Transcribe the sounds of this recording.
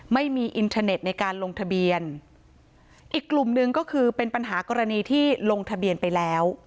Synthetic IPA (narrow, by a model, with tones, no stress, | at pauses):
ma˥˩jmiː˧ʔi˧nt̪ʰaː˧ne˨˩t̪̚na˧jkaː˧nlo˧ŋt̪ʰa˧bi˧ən | ʔiː˨˩kːlu˨˩mnɯ˧ŋkɔː˥˩kʰɯː˧pe˧npa˧nɦaː˩˦kɔː˧ɾa˧niː˧t̪ʰiː˥˩lo˧ŋt̪ʰa˧bi˧ənpa˧jlɛː˦˥w